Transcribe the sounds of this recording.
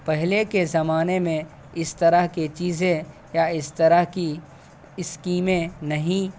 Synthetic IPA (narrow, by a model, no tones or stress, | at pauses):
pɛɦlekezɐmaːnemẽ | ɪst̪ɐɾəɦket͡ʃiːzẽ | jaɪst̪ɐɾəɦki | ɪskiːmẽnɐɦĩ